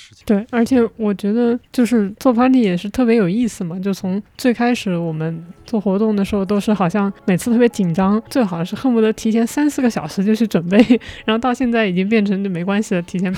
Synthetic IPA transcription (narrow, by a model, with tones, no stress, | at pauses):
t̪we˥˩ɪə˞˧˥t͡ɕʰjɛ˨˩˥wɔ˨˩t͡ɕɥɛ˧˥d̪ə˧t͡ɕjo˥˧ʊʂɻ̩˥˧t͡swɔ˥˩fʰa˥ʈ͡ʂi˥jɛ˨˩ʂɻ̩˥˧t̪ʰɤ˥˩p̬jɛ˧˥jo˨˩ʊi˥˩sɹ̩˨˩mɐ˩t͡ɕjo˥˧ʊt͡sʰʊ˧˥ŋt͡swe˥˩ɪkʰa˥ɪʂɻ̩˧˩˦wɔ˨˩mə˦nt͡swɔ˥˩xwɔ˧˥t̪ʊ˥˩ŋd̪ə˩ʂɻ̩˧˥xo˥˧ʊt̪̬o˥ʂɻ̩˥˩xɑ˨˩ʊɕjɑ˥˩ŋme˨˩ɪt͡s̩ʰ˥˧t̪ʰɤ˥pjʲɛ˥t͡ɕi˨˩nʈ͡ʂɑ˥ŋt͡swe˥˩ɪxɑ˨˩d̪ʂɻ̩˥˧xə˥˩nmu˥˩d̪ə˧˥t̪ʰi˧˥t͡ɕʰjɛ˧˥nsa˥nsɹ̩˥˩ɡə˩ɕjɑ˨˩ʊʂɻ̩˧˥t͡ɕjo˥˧ʊt͡ɕʰy˥˩ʈ͡ʂwə˨˩npe˥˩ɪɻa˧˥xo˥˧t̪ɑ˥˧ʊɕjɛ˥˧nt͡sa˥˩ɪi˨˩t͡ɕi˥ŋpjɛ˥˩nʈ͡ʂʰɤ˧˥ŋt͡ɕo˧˩me˧˥ɪkwa˥nɕi˨˩d̪ə˩t̪ʰi˧˥jɛ˧˥n